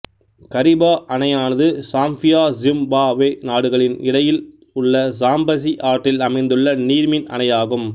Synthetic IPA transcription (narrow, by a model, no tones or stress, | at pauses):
kɐɾɪbaːʔɐnɐjaːnɐðɯsaːmfɪjaːzɪmbaːʋeːnaːɽɯɣɐɭɪnɪ̰ɽɐjɪl | ʊɭːɐsaːmbɐs̬iʔaːɾʈːɪlɐmɐɪnd̪ɯɭːɐniːɾmɪnɐ̰nɐjaːɣɯm